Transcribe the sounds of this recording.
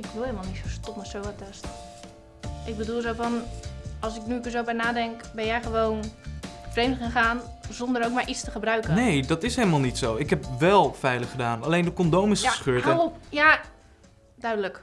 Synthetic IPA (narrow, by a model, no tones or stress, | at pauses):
ɪkʋɪlˠelˠmalˠnitsostomətsowatɛstə | ʔɪk̚bədulˠzofɔnɔlˠsɪknykəzowbɛjnaːdɛŋkbɛnjɛjχəʋoːnfrejmtχanχaːn | zondəɾowkmaɹʔit͡sstəχəbrœɥkənejdɑtɪsɦejləmaːlˠnitsowɪkɦɛpʋɛlˠfɛjləχədaːnalejndəkɔndowmɪsəsχøːtpja | dœɥdələk